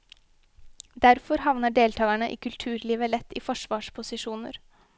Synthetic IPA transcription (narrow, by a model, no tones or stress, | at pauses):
d̪æɾfɔɾhɑʋnəɖeːlt̪ʰɑːæɳəʔḭːkʰʉlt̪ʰʉːɾliːʋəlɛt̪ʰːḭːfɔʂʋɑːʂpʰʊsɪʂuːnə̰ɾ